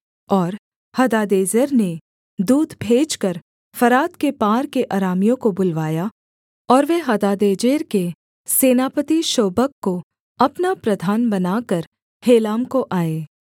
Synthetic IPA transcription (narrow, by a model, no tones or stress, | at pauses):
ɔːɾ | hɐd̪aːd̪eːd͡ʒəɾne | d̪uːd̪bʱeːd͡ʒkəɾ | fɐɾaːt̪kepaːɾkeʔaːɾaːmijõkobʊlʋaːja | ɔːɾʋeɦɐd̪aːd̪eːd͡ʒeːɾke | seːnaːpət̪iʃoːbəkːo | ɐpnapɾɐd̪ʱaːnbɐnaːkəɾ | heːlaːmkoʔaːeː